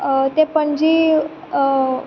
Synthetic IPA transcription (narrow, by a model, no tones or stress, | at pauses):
t̪epəɳd͡ʑiː